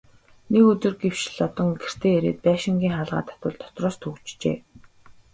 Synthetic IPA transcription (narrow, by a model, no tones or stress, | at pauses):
nekɵt̪ɵ̆rɡew̥ʃɮɔt̪ɞ̆ŋɡer̥t̪ʰeːeɾḛːt̪̚pæːʃɪ̆ŋɡʲiːŋχaːɮʁa̰ːt̪ʰḁt̪wə̆ɮt̪ʰɔ̥t̪rɔːst̪ʰɵkt͡ɕt͡ɕḛː